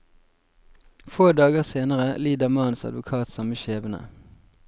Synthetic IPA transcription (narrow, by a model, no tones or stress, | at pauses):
foːd̪ɑːɡəʁseːnəʁəliːd̪ɑmɑːnsɑ̰d̪ʋʊkʰɑːt̪sɑməʃeːʋənə̰